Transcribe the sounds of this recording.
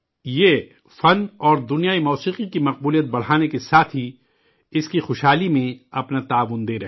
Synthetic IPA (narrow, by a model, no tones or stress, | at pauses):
jeː | fɐnɔːɾd̪ʊnijaimɔːsiːqikimɐq̚buːlijət̪̚bɐɽ̤aːnekesaːt̪ʰɦi | ɪskixʊʃɦaːlimẽɐpnat̪aːʋʊnd̪eːɾɐ